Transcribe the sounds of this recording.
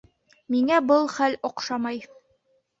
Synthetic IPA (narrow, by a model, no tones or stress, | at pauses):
miŋæbɤlˠχæloqʃɑmɑj